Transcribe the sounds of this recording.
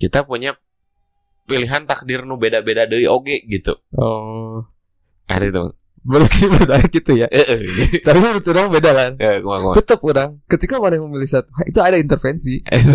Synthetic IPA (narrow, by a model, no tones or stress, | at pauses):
kit̪apuɲa | piliɦant̪ak̚dɪrnubedabedadəwiʔoɡɛʔɡit̪ṵɔ | a̰dat̪uma̰ | bəɾksibat̪ajakit̪ujaəʔəht̪apiɾət̪uɾaŋbedalaəkakt̪ut̪əpuɾaŋkət̪ikamanɪŋməmilisat̪uɦaḭt̪uadaint̪ərfɛnsḭ